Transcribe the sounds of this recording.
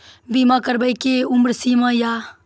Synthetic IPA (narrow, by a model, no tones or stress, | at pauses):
biːmãːkəɾbəjkeːʊmɾsiːmãːjaː